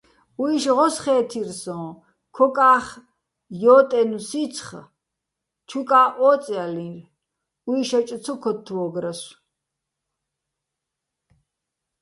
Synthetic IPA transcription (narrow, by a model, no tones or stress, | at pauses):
uiʃʁɔsχɛːt̪ʰirsɔ̃ː | kʰɔkʼaːχ | jɔːt̪ʼɛnusit͡sʰχ | t͡ʃʰukʼaːʔɔːt͡sʼɛalĩɾ | uiʃat͡ʃʼt͡sʰɔkʰɔt̪ʰːwɔːɡɾas